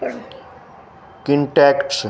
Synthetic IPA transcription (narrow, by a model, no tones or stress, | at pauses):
kɪɳʈɛːkʈs